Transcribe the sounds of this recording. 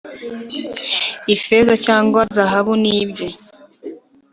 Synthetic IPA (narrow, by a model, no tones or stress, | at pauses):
ifezacaːŋɡoazaɦaβuniːbɟe